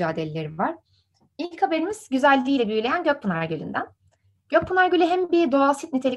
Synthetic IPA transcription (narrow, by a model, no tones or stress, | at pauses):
aːd̪elʲelʲeɾivaɾ̥ | ilʲchabe̞ɾimiz̥ɟyzælʲːiːlʲɛbylʲe̞jænɟøc̚pʰunaɾɟølʲy̰nd̪æn | ɟ̥øk̚pʰunaɾɟølʲyɦæmbid̪oasit̪̚nit̪ʰelʲi